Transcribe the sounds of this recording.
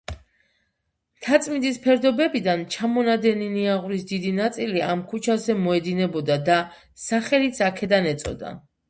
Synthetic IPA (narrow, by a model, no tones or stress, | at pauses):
t̪ʰat̪sʼmind̪ispʰɛɾd̪ɔbɛbid̪ant͡ʃʰamɔnad̪ɛniniaʁɾisd̪id̪inat̪sʼiliamkʰut͡ʃʰazɛmɔɛd̪inɛbɔd̪ad̪a | saχɛlit̪sʰakʰɛd̪anɛt̪sʼɔ̰d̪a̰